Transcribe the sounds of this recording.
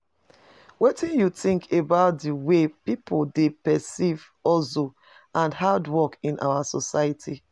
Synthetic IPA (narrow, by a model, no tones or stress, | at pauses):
wetĩnjutĩŋkʰebaʊt̚diwepipʰoldepɛsiv | ɔso | ʔãnhadwɔkĩnʔa̰wasɔsaɪitʰi